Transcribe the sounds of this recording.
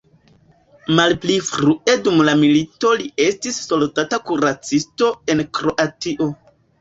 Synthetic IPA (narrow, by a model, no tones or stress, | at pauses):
malplifɾue̞dumlamilito̞lie̞stisːo̞ltatakuɾat͡sisto̞e̞nkɾo̞ʔatiʔo̞